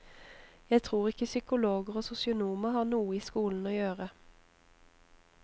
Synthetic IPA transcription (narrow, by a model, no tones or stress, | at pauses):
jæɪt̪ʰʁuːʁɪkːəsʏkʊloːɡəʁoːsʊsɪʊnuːməhɑːnuːəiːskuːln̩oːjøːʁə